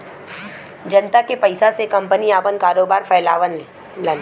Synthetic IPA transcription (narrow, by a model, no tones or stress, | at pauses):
d͡ʒɐnt̪akepɐɪsasekɐ̃mpəniaːpənkaːɾoːbaːɾfʰɐːlaːʋən | lən